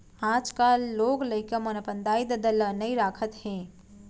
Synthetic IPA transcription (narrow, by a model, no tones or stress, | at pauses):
ãd͡ʒkalːoːɡləɪkəmənəpənd̪aːjd̪əd̪ələnəiɾaːkʰət̪hẽ